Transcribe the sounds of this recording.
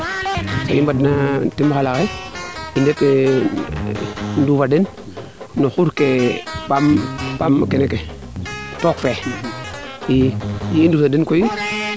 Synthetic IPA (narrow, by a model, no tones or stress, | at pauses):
sa̰jimbadnatimaxalakeindet | ndufadinː | oxuɾkepampamkeneke | tokfe | jijindusadinkoji